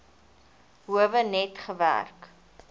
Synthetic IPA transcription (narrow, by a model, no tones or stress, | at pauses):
ɦuəvənɛtχəvæ̰rk